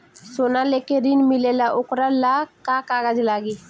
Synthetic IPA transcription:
sonalekeɾinmɪlelaʔokɾalakakaːɡad͡ʒlaːɡi

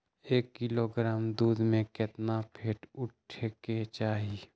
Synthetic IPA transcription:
eːkːɪloɡɾaːmd̪uːd̪mẽket̪napʰeːʈʊʈʰeket͡ʃaːɦi

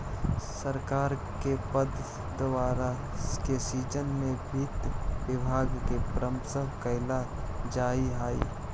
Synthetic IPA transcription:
səɾkaːɾ | kepəd̪ | d̪əʋaːɾa | kesiːd͡ʒənmẽbʱit̪ʋɪbʱaːɡkepɾəmsəɦkəɪla | d͡ʒaːiɦaːḭː

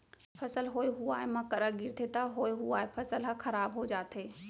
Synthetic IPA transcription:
pʰɐsəlɦoːeɦuaːemãkɐɾaɡɪɾt̪ʰet̪aɦoːeɦuaːepʰɐsəlɦakʰɐɾaːbɦod͡ʒaːt̪ɦeː

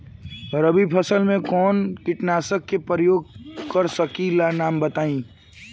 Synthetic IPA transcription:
ɔɾəbʱipʰəsəlmẽkɔːnkɪʈnaːsəkːepɾəjoːɡ̚kəɾsəkilanaːmbət̪aːĩ

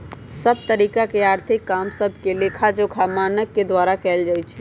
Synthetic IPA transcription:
səb̚t̪əɾikakeaɾt̪ʰikːamsəbʱkelekʰad͡ʒokʰamanəkːed̪ʋaɾakɛld͡ʒajt͡ʃʰɛ

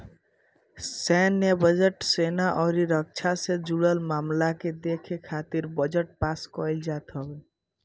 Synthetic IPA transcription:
sɛnːebəd͡ʒeʈsenaʔɔʊɾiɾək̚t͡ʃʰased͡ʒuɽəlmamlaked̪ekʰekʰat̪iɾbəd͡ʒəʈ̚paskɔld͡ʒat̪ɦɔbe

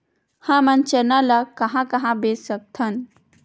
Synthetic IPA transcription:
hãmant͡ɕənalakəɦãkəɦãbessək̚t̪ʰan

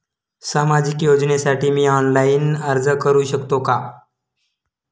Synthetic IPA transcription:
samad͡ʑikjod͡znesaʈʰiːmiːɔnlajinəɾd͡zəkəɾuːɕəkt̪oka

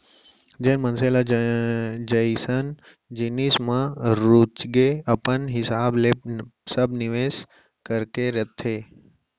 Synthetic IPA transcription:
d͡ʒeːnmənsela | d͡ʒəjsən | d͡ʒinismãɾut͡ʃɡeəpənɦɪsaːblesəbnɪʋeːs | kəɾkeɾət̪ʰːeː

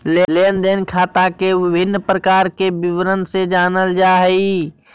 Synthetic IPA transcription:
leleːnd̪eːnkʰaːt̪akeʋɪbʱɪnːpɾəkaːɾkebɪʋɾənsed͡ʒaːnəld͡ʒaːɦəi

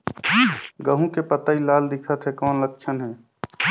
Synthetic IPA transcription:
ɡəɦũkepət̪ailaːld̪ɪkʰət̪ɦɛkɔːnlək̚t͡ʃʰənɦɛː

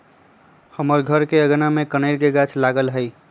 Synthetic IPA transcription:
həməɾɡʱəɾkeəɡnamekənəɪlkeɡat͡ʃʰlaɡəlɦəɪ

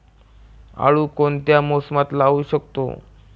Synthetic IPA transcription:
a̰ɭukont̪jamosmat̪laːuɕəkt̪o̰

